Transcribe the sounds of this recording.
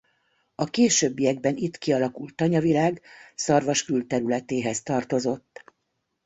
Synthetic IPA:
ɒkeːʃøːbːijɛɡ̚bɛnit̪kiɒlɒkult̪ːɒɲɒvilaːɡsɒrvɒʃkylt̪ɛɾylɛt̪eːɦɛst̪ɒrt̪o̞zo̞t̪ː

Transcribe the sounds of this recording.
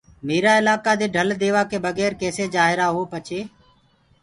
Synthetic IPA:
miːɾaːɪlaːkaːd̪eːɖʱəld̪eːʋaːkeːbəɡɛːɾkeːseːd͡ʒaːɦɪɾaːɦoːpət͡ʃʰeː

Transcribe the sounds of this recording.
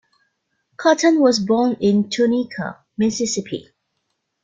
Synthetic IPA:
kʰɑtə̃nwɔzbɔːnɪ̃ntʰunikʰə̰ | mɪsɪsɪpʰḭ

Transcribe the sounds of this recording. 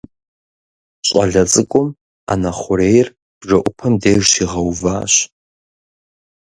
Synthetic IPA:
ɕʼɐ̰ɮɐt͡sʼɨkʷʼʊm | a̰nɐχʷʊɾeːjr | b̥ʐɐʔʷʊpʰɐmdeːʒʃiʁɐwvaːɕ

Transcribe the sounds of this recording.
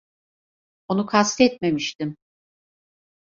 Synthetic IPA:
o̞nukʰast̪ɛt̪̚me̞miʃt̪ɪm

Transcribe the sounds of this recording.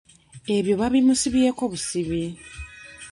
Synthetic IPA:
e̞βjo̞βaβimusiβieko̞βusiβi

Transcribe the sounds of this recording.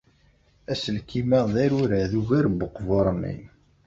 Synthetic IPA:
æsəlkimæðˤæɾuɾæðuʝæɾboqːvoɾˤmːḭn

